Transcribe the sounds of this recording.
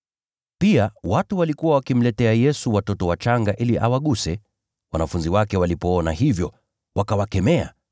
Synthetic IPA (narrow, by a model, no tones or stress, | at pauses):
piawatuwalikuwawakim̩lɛtɛajɛsuwatɔtɔwat͡ʃaŋɡaʔiliʔawaɠusɛ | wanafunziwakɛwalipɔɔnahivjɔ | wakawakɛmɛa̰